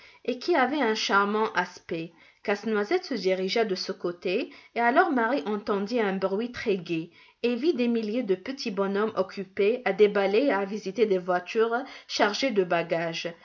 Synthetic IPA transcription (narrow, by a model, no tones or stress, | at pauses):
ekʲiavɛɛ̃ʃaʁmɑ̃ʔaspɛ | kasnwazɛt̪səd̪iʁiʒad̪əsɔkot̪eːalɔʁmaʁiʔɑ̃t̪ɑ̃d̪iɛ̃bʁɥit̪χɛɡe | evid̪emiljed̪əpət̪ʰibɔnɔmɔkʰʲypead̪ebaleavizit̪ed̪evwat̪yʁʃaʁʒed̪əbaɡaʒ